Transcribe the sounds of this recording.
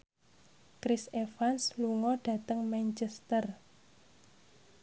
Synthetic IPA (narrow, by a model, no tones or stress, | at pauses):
kɾisefansluŋɔɖ̥ä̤t̪əŋmant͡ʃɛst̪ər